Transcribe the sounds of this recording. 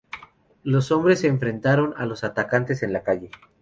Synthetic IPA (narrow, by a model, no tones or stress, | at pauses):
lo̞so̞mbɾe̞seːɱfɾe̞nt̪aɾo̞na̰lo̞sat̪akant̪e̞se̞nlakaʝe̞